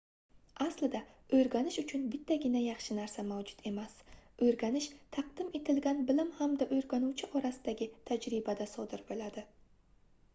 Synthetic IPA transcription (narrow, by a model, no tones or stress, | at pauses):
ʔaslɪd̪aɵjɾɡʲanɪʃʊt͡ʃʰʊnbɪt̪ʰːaɡʲɪnajɑχʃɪnaɾsamawd͡ʒʊ̥t̪ʰe̞masɵjɾɡʲanɪʃt̪ʰɑq̚d̪̥ɪme̞t̪ʰɪlɡʲanbɪlɪmhamd̪aʔɵjɾɡʲanuwt͡ʃʰɪʔɒɾasɪd̪aɡʲɪt̪ʰad͡ʒɾɪbad̪asɒd̪ɪɾbolad̪ɪ